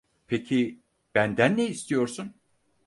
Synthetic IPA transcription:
pʰecʰi | b̥ænd̪ænːɛist̪ʰijo̞ɾsun

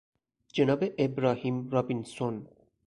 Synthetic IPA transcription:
d͡ʒenɑːbeʔebɾaːhiːmɾabinson

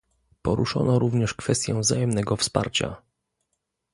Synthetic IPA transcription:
pɔɾuʂɔ̰nɔɾuvɲɛʂkfɛst̪ʲjɛ̃vzajɛmnɛɡɔfspa̰ɾt͡ɕa̰

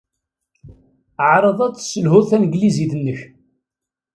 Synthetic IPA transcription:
əʕɾˤəðˤæt͡sːsəlhʊðθænɡliziðənːəç

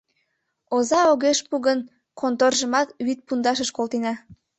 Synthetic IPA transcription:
ozɑoɣeʃpuɣən | kʰont̪orʒəmɑt̪βit̪̚pund̪ɑʃ̬əʃkolt̪inɑ

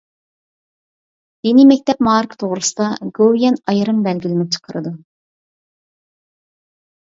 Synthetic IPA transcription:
jenɪmɛk̚ʲt̪ʰɛp̚mɑːɾɨkt̪ʰoʁɾɨsɨd̪ɑɡowjɛnɑjɾɨmbɛlɡʲilɪnɪt͡ʃʰə̥qʰəɾɨd̪ɨ

